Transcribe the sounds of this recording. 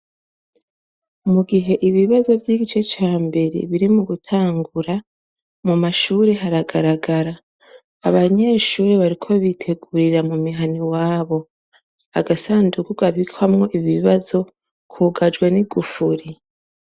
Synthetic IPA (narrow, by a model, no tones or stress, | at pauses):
muɡiɦe̞ʔiβiβazo̞vjiːɡit͡ʃe̞t͡ʃaːmbe̞ɾḛβiɾimuɡutʰaːŋɡuɾa | mumaʃuːɾe̞ɦaɾaɡaɾaɡaɾaː | βaɲe̞ʃuːɾeβaɾikʰo̞βitʰe̞ɡuɾiɾamumiɦaniwaːβo̞ | a̰ɡasaːndukuɡaβikʰwamŋo̞ʔiβiβiβazo̞ | kʰuɡad͡ʒɡweniɡufuɾi